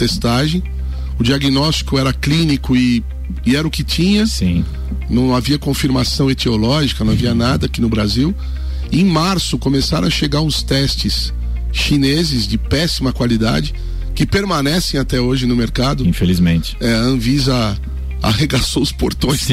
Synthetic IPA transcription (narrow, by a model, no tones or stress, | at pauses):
t̪est̪aʒẽj̃ | ʊd͡ʒiaɡinɔst͡ʃi̥kʊɛɾɐklĩnikʊɪ | ɪɛɾɐʊkɪt͡ʃĩɲɐsḭ̃ | nɐ̃w̃aviɐkõfiɾmasɐ̃w̃et̪eolɔʒikɐnɐ̃w̃aviɐnad̪ɐakinʊbɾaziw | ẽj̃maɾsʊkomesaɾɐ̰̃ɐʃeɡaʊst̪ɛst͡ʃɪs | ʃinezɪzd͡ʒɪpɛsimɐkwalid̪a̰d͡ʒɪ | kɪpeɾmɐ̃nɛsẽj̃at̪ɛoʒɪnʊmeɾkad̪ʊĩfelizmẽt͡ʃɪ̥ɛɐ̃vizɐ | a̰heɡasoʊspoɾt̪õj̃s